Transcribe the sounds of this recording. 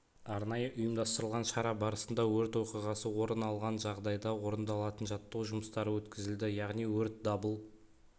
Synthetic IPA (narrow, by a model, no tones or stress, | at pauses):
ɑɾnɑjəʔʊjəmd̪ɑst̪əɾəlˠʁɑnʃɑɾɑbɑɾəsənd̪ɑwɵɾt̪wo̞qijʁɑsəwo̞ɾənɑlˠʁɑnʒɑʁd̪ɑjd̪ɑwo̞ɾənd̪ɑlˠɑt̪ənʒɑt̪ːəwʒʊməst̪ɑɾəwɵt̪kʲɪzɪld̪ɪjɑʁnijwɵɾt̪̚d̪ɑbəlˠ